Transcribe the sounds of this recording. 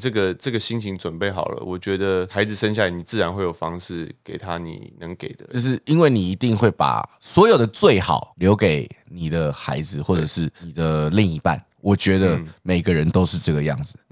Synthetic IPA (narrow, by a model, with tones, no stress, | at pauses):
ʈ͡ʂɤ˥˩ɡə˨ʈ͡ʂɤ˥˩ɡə˩ɕi˥ŋt͡ɕʰi˧˥ŋt͡swə˨˩npe˥˩ɪxɑ˨˩ʊlə̰˦wɔ˨˩t͡ɕɥɛ˧˥d̪ə˧xa˧˥ɪd͡zɹ̩˨ʂə˥nɕ̬ja˥˨la˨˧ɪni˨˩t͡sɹ̩˥˩ɻa˧nxwe˥˩ɪjo˨˩fɑ˥ŋʂɻ̩˥˩ke˨˩ɪt̪ʰa˦nḭ˨˩nə˧˦ŋke˨˩ɪd̪ə˦t͡ɕo˥˧ʊʂ̬ɻ̩˥˩i˥nwe˥˩ɪni˨˩i˧˥t̪i˥˧ŋxwe˥˩ɪpa̰˨˩swɔ˧˥jo˨˩ʊd̪ə˦t͡swe˥˩ɪxɑ̰˨˩ʊljo˧˥ʊke˨˩ɪni˨˩d̪ə˦xa˧˥ɪd͡zɹ̩˨xwɔ˥˩ʈ͡ʂə˨˩ʂɻ̩˥˩i˨˩d̪ə˦li˥˧ŋi˧˥pa̰˥˩n | wɔ˨˩t͡ɕɥɛ˧˥d̪ə˧me˨˩ɪɡə˦ɻə˧˦nt̪o˥ʊʂɻ̩˥˧ʈ͡ʂɤ˥˩ɡə˩jɑ̰˥˩ŋd͡z̩˩